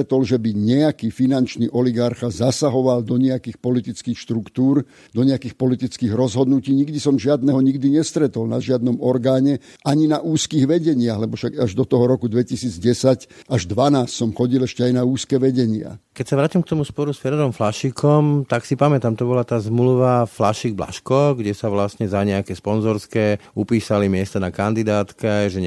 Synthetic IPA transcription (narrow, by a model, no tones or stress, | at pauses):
t̪ɔlʒɛbiɲɛakiːfinant͡ʃniːʔɔliɡaɾxazasaɦɔʋald̪ɔɲɛakiːxpɔlit̪it͡skiːxʃt̪ɾukt̪uːɾ | d̪ɔɲɛakiːxpɔlit̪it͡skiːɣɾɔzɦɔd̪nuciːɲiɡd̪isɔmʒɪad̪nɛɦɔɲiɡd̪iɲɛst̪ɾɛt̪ɔlna̰ʒɪad̪̚nɔmɔɾɡaːɲɛ | ʔaɲinaʔuːskiːɣʋɛɟɛɲɪaɦlɛbɔfʃaɡaʒd̪ɔt̪ɔɦɔɾɔkud̪ʋɛcisiːd͡zɟɛsacaʒd̪ʋanaːssɔmxɔɟilɛʃcɛajnauːskɛːʋɛɟɛɲɪa̰kɛcsaʋɾaːcimk̚t̪ɔmuspɔɾusfɛɾɛɾɔmflaʃikɔmt̪aksipamɛt̪aːmt̪ɔbɔlat̪aːzmluʋaflaʃiɡ̚bla̰ʃkɔɡɟɛsaʋlastɲɛzaɲɛakɛːspɔnzɔɾskɛːupiːsalimɪɛst̪anakand̪id̪aːt̪kɛʒɛ